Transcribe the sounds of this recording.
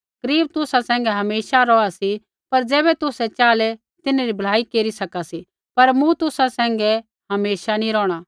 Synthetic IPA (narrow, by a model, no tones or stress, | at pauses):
kɐɾiːb̚t̪ʊsasɛ̃ːŋ̆ɡɛɦɐmeːʃaɾɔːasi | pɐɾd͡zɛːbɛt̪ʊsɛt͡ʃaːlɛ | t̪ɪnaɾibʱɐɭ̤aːikeːɾisɐkasi | pɐɾmũt̪ʊsasɛ̃ːŋ̆ɡɛ | ɦɐmeːʃanĩɾɔːɽ̃aː